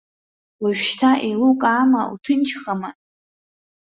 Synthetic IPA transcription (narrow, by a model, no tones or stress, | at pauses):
laʒᶣʃtʰaʔejlukʼaːmaṵtʰɨnt͡ʃʰχama